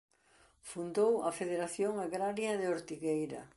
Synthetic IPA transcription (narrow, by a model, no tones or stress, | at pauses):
fund̪owɐfeðeɾaθjoŋaɣɾaɾjɐðeoɾt̪iɣejɾɐ̰